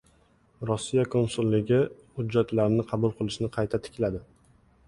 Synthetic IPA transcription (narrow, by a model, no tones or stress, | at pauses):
ɾɔsːijakʰonsulˠːɪɡʲɪ | hʊd͡ʒːat̪laɾnɪqʰɑbʊlˠqʰɨlˠɪʃnɪqʰɑjt̪ʰat̪ʰɪ̥kʲlad̪ɪ